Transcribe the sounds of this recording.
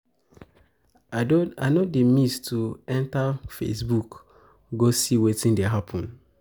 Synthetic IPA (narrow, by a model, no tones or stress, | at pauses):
a̰nɔdemistʰuɛ̃ntafḛsbuk | ɡosiwetĩndeɦapʰɔ̃n